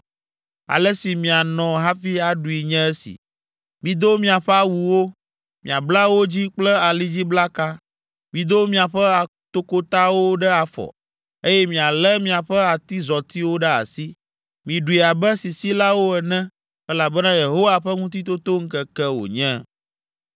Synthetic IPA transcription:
a̰˨lɛ˦si˨mĩ˨a˨nɔ̃˨ɦa˦fi˦a˨ɖu˨i˨ɲɛ̃˦ɛ˦sḭ˨ | mĩ˨d̪o˦mĩ˦a˨ɸɛ˦a˦wu˨wo˦ | mĩ˨a˨bla˦wo˦d͡ʑi˦k͡plɛ˦a˨li˦d͡ʑi˦bla˦ka˦ | mĩ˨d̪o˦mĩ˦a˨ɸɛ˦a˨ | t̪o˦ko˦t̪a˦wo˦ɖɛ˦a˨fɔ̰˨ | e˦jɛ˦mĩ˨a˨lɛ˦mĩ˦a˨ɸɛ˦a˨t̪i˦zɔ˨t̪i˦wo˦ɖɛ˦a̰˨si˦ | mĩ˨ɖu˨i˨a˨bɛ˦si˨si˦la˦wo˦ɛ˨nɛ̃˦ | ɛ˦la˨bɛ˦nã˦je˨ɦo˦wa˦ɸɛ˦ŋũ˦t̪̬i˦t̪o˦t̪o˦ŋ̩˦kɛ˦kɛ˦wo̰˨ɲɛ̃˦

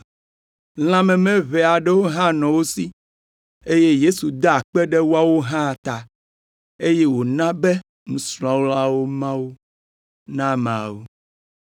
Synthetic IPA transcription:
l̃ã˦mɛ̃˨mɛ̃˦βɛ˨a˨ɖɛ˦wo˦ɦã˦nɔ̃˨wo˦si˦ | e˦je˦je˦su˨d̪a˦a˨k͡pɛ˦ɖɛ˦wo˦a˦wo˦ɦã˦˨t̪a˨ | e˦je˦wo˨nã˦bɛ˦ | ŋũ˨sl̃ɔ̃˦wla˦wo˦mã˦wo˦ | nã˦mã˨wu˦

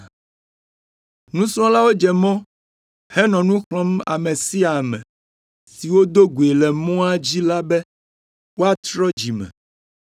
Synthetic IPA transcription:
nũ˦sɔ̃˦la˦wo˦d͡ʒɛ˨mɔ̃˦ | hɛ˦nɔ̃˨nũ˦xlɔ̃˦ma̰˨mɛ̃˨si˦a˨mɛ̰̃˨ | si˨wo˦d̪o˦ɡu˨e˨lɛ˨mɔ̃˦a˦d͡ʑi˦la˦bɛ˦ | wo˦a˦t̪ɾɔ˦d͡ʑi˨mɛ̰̃˨

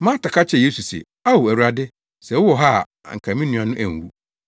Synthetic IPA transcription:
mãː˦ta˨kʰa˦t͡ɕʰɛ˨je˦su˨sɛ̰˨ | a˦wo˨æ˨u˦ɾa˨dɪ˦ | sɛ˨wʊ˦wɔ˨ɦa̰˦˨ŋ̩˨kʰã˨mĩ˦nũ˨˦a˨nʊ̃˦ʔæ̰˨ŋ˨wu˦

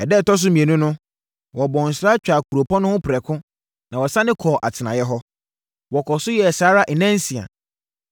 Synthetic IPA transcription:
ɛ˨dɛ˦˨tɔ˦s̬ʊ˦mĩ˨ẽ˨nũ˦nʊ̃˦ | wɔ˨bɔ̃˨n̩˨sɾa˦t͡ɕᶣa˨kʰu˨ɾo˨pʰɔ̃˦nʊ̃˦hʊ̃˦pʰɪ˨ɾɛ˨kʰʊ̃˦ | nã˨wɔ˨sa˦nɪ̃˦kʰɔː˨ʔa˨tʰɪ˨nã˨jɛ˦ɦɔ˦ | wɔ˨kʰɔ˨sʊ˦jɛ˨saː˨˦ɾa˦ʔɛ˨nɛ̃˦n̩˦sĩ˨a̰˨

